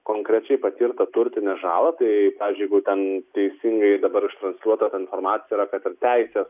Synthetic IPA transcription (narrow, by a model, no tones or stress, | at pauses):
koːŋkɾʲɛt͡ʃʲɛɪpɐt̪ʲiːɾt̪ɐt̪ʊɾʲt̪ʲɪnʲɛʒɑːlˠɐt̪ɐɪpɑːʋʲɪːzʲd͡ʒʲʊjɛɡʊt̪ʲɛnt̪ʲɛɪsʲiŋɡɐɪd̪ɐbɐɾɪʃt̪ɾɐnsʲlʲuɔt̪ɐt̪ɐɪnfoɾmɑːt̪sʲɪjɛiːɾɐkɐt̪ɪɾt̪ʲɛɪsʲeːs